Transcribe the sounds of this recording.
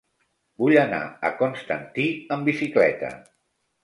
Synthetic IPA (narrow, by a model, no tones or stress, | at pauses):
buʎəna̰əkonst̪ənt̪iəmbisiklɛ̰t̪ə̰